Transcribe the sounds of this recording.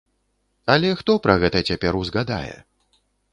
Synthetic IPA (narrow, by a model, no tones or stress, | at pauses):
ɐlʲɛxt̪ɔpɾɐɣɛt̪ɐt͡sʲapʲɛɾuzɣad̪a̰jɛ̰